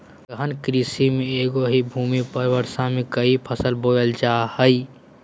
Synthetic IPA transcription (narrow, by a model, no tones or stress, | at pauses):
əɦənkɾisimeeːɡoɦibʱuːmipəɾwəɾsãmekəipʰəsəlboːəld͡ʒahəi